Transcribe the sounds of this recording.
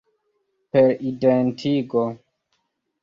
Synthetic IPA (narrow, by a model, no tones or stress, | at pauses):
peɾidentʰiko